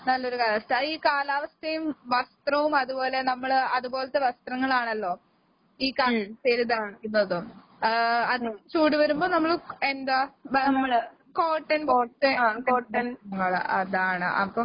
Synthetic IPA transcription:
nɐlːo̞ɾukɐːlɐːst̪ɐiːkaːlaːʋɐst̪ʰɐjumʋɐst̪rɐʋumɐðubo̞ːle̞nɐmːɐɭɐðubo̞ːlɐt̪ːeʋɐst̪rɐŋːɐɭaːɳɐlːo̞ː | iːkaːɐseɾud̪ɐjikʲːunːɐðɨ | ɐðɨt͡ɕuːʈiʋɐɾumbo̞ːnɐmːɐɭe̞nd̪aːbɐːɐ | ko̞ːʈːɐnpotːekoːʈːɐnŋːɐɭɐðaːɳɨ̰ʔɐ̰pːɐm

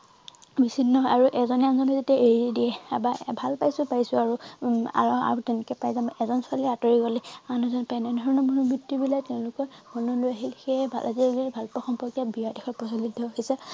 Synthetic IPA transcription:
bisinːɔaɹuʔɛzɔnɛanzɔnɔzetiaʔeɹiɛdiɛa̰babʱalpajsʊpajsʊaɹua̰a̰utɛnɛkɛpajzamɔɛzɔnsalɛatɔɹiɡɔlɛmanuzɔnpajnɛdʱɔɹɔnɔmɔnubʱitːibilatɛʊ̃lʊkɔɹmɔnulojaɦilxebʱa̰lʔaziɡibʱalpɔxɔmpɔɹkjabiadɛxʰɔpɹɔsalidʱːɔɦisɛ

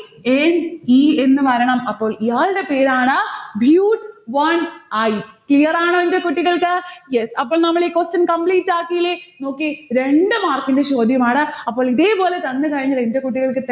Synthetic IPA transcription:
enie̞nːɨʋɐɾɐɳɐmɐpːo̞ːɭijaːɭɨɽe̞pe̞ːɾaːɳɨbʱjuːʈʋɐnɐjklijɐraːɳoːende̞kuʈːiɣɐɭkɨjesɐpːoːɭnɐmːɐɭiːkosɐnkɐmpɭiːtːaːkːijileno̞ːkːiɾe̞ɳɖɨmaːrkːindet͡ɕo̞ːd̪ʱjɐmaːɳɨɐpːo̞ːɭiðe̞ːpo̞ːlet̪ɐnːɨkɐɻɐŋːɐlende̞kuʈːiɣɐɭkɨt̪

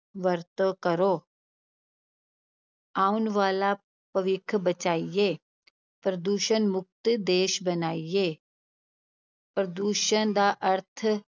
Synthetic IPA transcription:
ʋəɾt̪kɐɾoː | aːunʋaːla | pɐʋɪkʰbɐt͡ʃaːijeː | pɾəd̪uːʃənmʊk̚t̪d̪eːʃbɐnaːijeː | pɾəd̪uːʃənd̪aːʔɐɾt̪ʰ

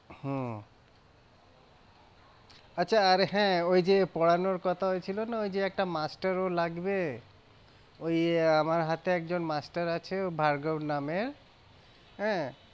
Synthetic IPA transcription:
hɛ̃ | atːɕʰaːɾɦɛ̃ojd͡ʑepɔɽanoɾkɔt̪ʰaɦoet͡ɕʰilonaojd͡ʑeɛk̚ʈamasʈaɾolaɡbe | ojamaɾɦat̪eɛk̚d͡ʑonmasʈaɾat͡ɕʰebʱaɾɡonameɾ | ɦɛ̃

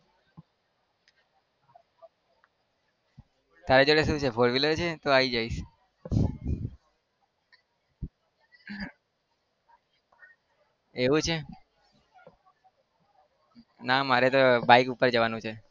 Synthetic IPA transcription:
t̪aɾed͡ʒoɽeʃũt͡ʃʰefoɽʋiləɾt͡ʃʰet̪oaid͡ʒaiʃ | eʋũt͡ʃʰe | namaɾet̪obaikupəɾd͡ʒəʋanũt͡ʃʰe

